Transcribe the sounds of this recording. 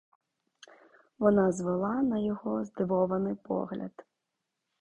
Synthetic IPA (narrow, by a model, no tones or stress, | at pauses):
ʋɔnɑzʋɔlˠɑnɐjɔɦɔzd̪ɪʋɔʋɐnɪjpɔ̰ɦlʲɐ̰d̪